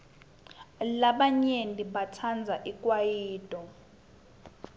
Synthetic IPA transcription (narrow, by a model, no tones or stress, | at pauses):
laɓaɲeniɓatʰand͡zʱaʔikʼwajiːtʼɔ